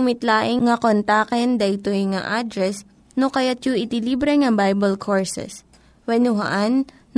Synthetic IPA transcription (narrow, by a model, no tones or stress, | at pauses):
ʊmɪt̪laːʔɪŋŋɐkont̪aːkɛnd̪ɐʔɪt̪ojŋa̰ʔad̪ɾɛs | nokɐjat̪̚juʔɪt̪iliːbɾɛŋɐbajbɐlkʰoɹsɛ̰s | wɛnʊɦɐ̰ʔanː